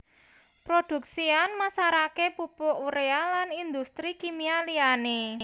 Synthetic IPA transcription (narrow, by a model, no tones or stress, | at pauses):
pɾod̪̥ṳksianmasaɾakepupoʔuɾealanind̪ust̪ɾikimialiane